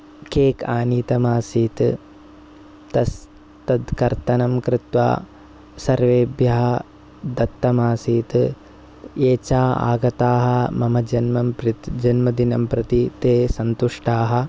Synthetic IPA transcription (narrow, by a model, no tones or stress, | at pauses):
keːkaːniːt̪ɐmaːsiːt̪ | t̪ɐs | t̪ɐd̪kɐɾt̪ɐnɐmkɾɪt̪ʋa̰ː | sɐɾʋeːbjɐɦɐ | d̪ɐt̪ːɐmaːsiːt̪ | eːt͡ʃaːa̰ːɡɐt̪aːɦɐ̆mɐmɐd͡ʒɐnmɐmpɾɪt̪d͡ʒɐnmɐd̪inɐmpɾɐt̪it̪eːsɐnt̪uʂʈaːɦɐ̆